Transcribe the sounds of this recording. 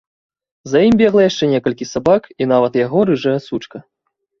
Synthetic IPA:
zɐjimʲbʲɛɣlˠɐjaʂt͡ʂɛnʲɛkɐlʲkʲisabakin̪avɐt̪jaɣɔɾɨʐɐjɛsut͡ʂkɐ

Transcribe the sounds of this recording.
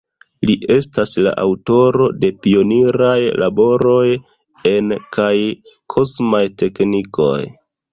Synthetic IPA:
liʔe̞stasla̰ʔawto̞ɾo̞de̞pio̞niɾajlʔabo̞ɾo̞j | e̞nkʰaj | kʰo̞smajte̞kniko̞̰j

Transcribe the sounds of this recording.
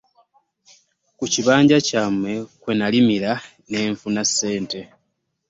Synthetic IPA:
kuciβaːɲɟacaːmwe̞kwe̞nalimiɾa | ne̞ːɱfunasːe̞ːnte̞

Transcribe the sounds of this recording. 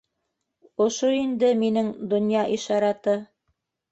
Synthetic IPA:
ŏʃoind̪ɘminɘŋd̪ŏnjɑʔiʃɑɾɑt̪ɤ

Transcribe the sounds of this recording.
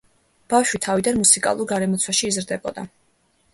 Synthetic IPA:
b̥afʃwit̪ʰavid̪anmusikʼa̰lˠuɾɡaɾɛmɔt̪sʰwaʃiːzɾd̪ɛbɔ̰d̪a

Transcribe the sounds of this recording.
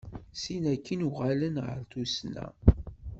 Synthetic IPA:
sinækːinuʁalənʁə̰ɾθusnæ̰

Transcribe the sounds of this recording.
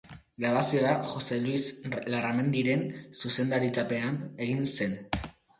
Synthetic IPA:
ɡɾaβasio̞axo̞se̞lwislarame̞nd̪iɾe̞nsuse̞nd̪aɾit͡sape̞ane̞ɣinse̞n

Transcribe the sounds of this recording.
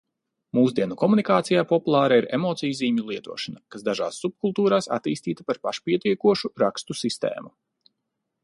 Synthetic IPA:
muːzd̪iɛnukɔmunikaːt̪sijaːpɔpulˠaːɾaiɾḛmɔːt̪sijziːɲulˠiɛt̪uɔʃanakasd̪aʒa̰ːsːup̚kulˠt̪uːɾaːsa̰t̪iːst̪iːt̪apaɾpaʃpiɛt̪ʲiɛkuɔʃuɾakst̪usist̪ḛːmu

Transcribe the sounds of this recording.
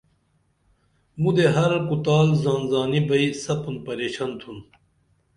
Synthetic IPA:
mud̪eɦɐɾɐkut̪aːlzaːnzaːnibɐisɐpunpɐɾeːɕaːnt̪ʰun

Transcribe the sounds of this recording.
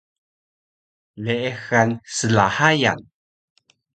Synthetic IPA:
leexansəlahaja̰n

